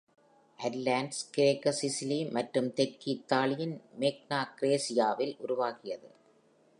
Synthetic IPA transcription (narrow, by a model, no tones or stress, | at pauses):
ʔɐɾlaːnɖskɪɾeːkːɐsɪsɪlimɐʈrɯmt̪ɛɾkiɪt̪ːaːɭɪjɪnmeːk̚naːkɪɾeːsɪjaːʋɪlʔʊɾʊʋaːɣɪjɐðɯ̰